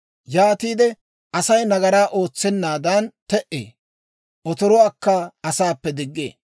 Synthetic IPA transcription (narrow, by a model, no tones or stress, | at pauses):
jaːt̪iːd̪ɛ | ʔɐsɐjnɐɡɐɾaːʔo̞ːt͡sːɛnːaːd̪ɐnt̪ɛʔḛː | ʔɔt̪ɔɾɔaːkːɐɐsaːpːɛd̪ɪɡːḛː